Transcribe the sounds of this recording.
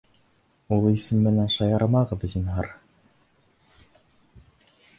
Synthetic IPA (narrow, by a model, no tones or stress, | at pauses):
ulˠisɘmːɘ̆nænʃɑjɑɾɑmɑʁɤ̆bɘ̆zinɦɑɾ